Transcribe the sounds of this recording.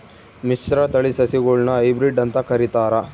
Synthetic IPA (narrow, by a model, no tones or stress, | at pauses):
misɾɐt̪ɐɭisɐsiɡuɭnɐɐjbɾiɖɐnt̪ɐkɐɾit̪aːɾɐ